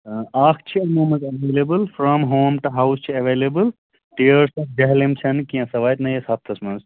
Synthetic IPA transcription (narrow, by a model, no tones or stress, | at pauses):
aːkʰt͡ʃʰiɐmõːmɐ̃nzɐʋeːlebɨlfɾɔmɦoːmʈuɦawst͡ʃʰiɐʋeːlebɨl | ʈiəɾsɔfd͡ʒɐɦlemt͡ʃʰɐnkĩjãsɐʋaːjt̪nɐjɐsaːp̚t̪ʰɐsmɐ̃nz